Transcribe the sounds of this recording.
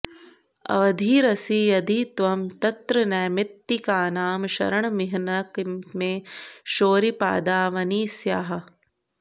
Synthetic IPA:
ɐ̰ʋɐd̪ʱiːɾɐsiːjɐd̪ʱit̪ʋɐmt̪ɐt̪ɾɐnɛːmɪt̪ːikaːnaːmʃɐ̰ɾɐɳɐmiɦɐnɐkmeːʃoːɾipa̰ːd̪aːʋɐniːsjaːɦɐ̆

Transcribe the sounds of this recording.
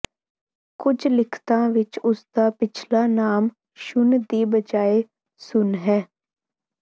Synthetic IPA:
kʊd͡ʒlɪkʰt̪ãːʋɪt͡ʃʊsd̪aːpɪt͡ʃʰlaːnaːm | ʃʊnd̪iːbəd͡ʒaːeː | sʊnɦɛː

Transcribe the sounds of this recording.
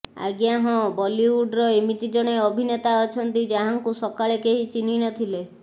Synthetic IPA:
a̰ɡjaɦɔ̃bɔliwuɖɾɔemit̪id͡ʒɔɽ̃eɔbʱinet̪aɔt͡ʃʰɔnt̪id͡ʒaɦaŋkusɔkaɭekeɦit͡ʃiniñɔt̪ʰile

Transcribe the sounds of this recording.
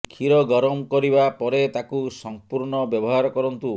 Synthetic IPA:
kʰiɾɔɡɔɾɔmkɔɾibapɔɾet̪akusɔmpuɾɳɔbjɔbɔɦaɾɔkɔɾɔnt̪u

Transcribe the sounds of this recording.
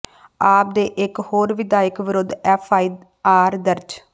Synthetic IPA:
aːp̚d̪eːʔɪkhoːɾʋɪd̪aːɪkʋɪɾʊd̪ɛːpʰaːiː | aːɾd̪əɾd͡ʒ

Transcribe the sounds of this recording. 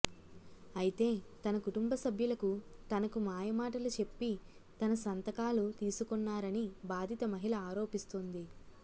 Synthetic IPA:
ɐjit̪e̞ːt̪ɐnɐkuʈumbɐsɐbʱjulɐkut̪ɐnɐkumaːjɐmaːʈɐlut͡ʃe̞pːit̪ɐnɐsɐnt̪ɐkaːlut̪iːsukɔnːaːɾɐnibaːd̪ʱit̪ɐmɐɦilɐaːɾo̞ːpist̪ond̪i

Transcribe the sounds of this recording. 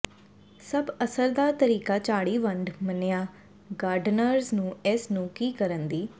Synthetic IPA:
səbəsəɾd̪aːt̪əɾiːkaːt͡ʃaːɽiːʋəɳɖmənejaː | ɡaːɾɖnəɾznũːɪsnũːkiːkəɾənd̪iː

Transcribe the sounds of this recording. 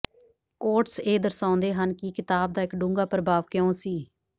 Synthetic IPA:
koːʈseːd̪əɾsãːʊnd̪eːɦənkiːkɪt̪aːb̚d̪aːɪkɖũːŋɡaːpɾəbʱaːʋkjõːsiː

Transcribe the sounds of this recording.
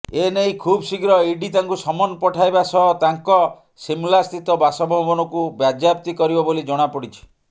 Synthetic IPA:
enejkʰubsikɾɔiɖit̪aŋkusɔmɔnɔpɔʈʰajbasɔɦɔt̪aŋkɔ | simulast̪it̪ɔbasɔbʱɔbɔnɔkubjad͡ʒjap̚t̪ikɔɾibɔbolid͡ʒɔɽ̃apɔɽit͡ʃʰi̥

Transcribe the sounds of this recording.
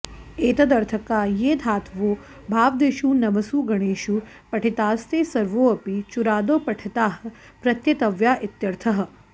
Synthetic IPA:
eːt̪ɐd̪ɐɾt̪ʰɐkaːjeːd̪ʱaːt̪ʰʋoː | bʱaːʋd̪eʃuːnɐʋɐsuːɡɐɽ̃eːʃu | pɐʈʰit̪aːst̪eːsɐɾʋoːɐpit͡ʃuɾaːd̪oːpɐʈʰɐt̪aːɦɐ̆ | pɾɐt̪jɐt̪ɐʋjaːʔɪt̪jɐɾt̪ʰɐɦɐ̆

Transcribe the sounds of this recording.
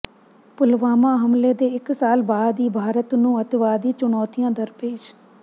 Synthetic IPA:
pʊlʋaːmãːɦəmleːd̪eːɪksaːlbaːd̪iːbʱaːɾət̪nũːət̪ʋaːd̪iːt͡ʃʊɳɔːt̪ijãːd̪əɾpeːd͡ʒ

